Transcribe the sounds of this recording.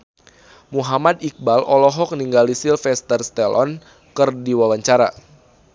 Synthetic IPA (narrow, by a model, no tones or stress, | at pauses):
muɦamad̪ik̚balɔlɔɦɔk̚niŋɡalisɪlfɛst̪ərst̪ɛlɔ̰n | kɨrdiwawaɲt͡ʃaɾa̰